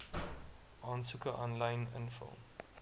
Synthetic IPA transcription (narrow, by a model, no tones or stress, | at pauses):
ʔɑːnsukəʔɔnlɐjnə̰nfə̰lˠ